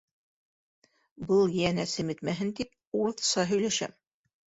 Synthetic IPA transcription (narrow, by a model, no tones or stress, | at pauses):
bɤlˠjænæsɘmit̪mæɦɘnt̪ip̚ | uɾθsɑɦɵ̆jlæʃæ̰m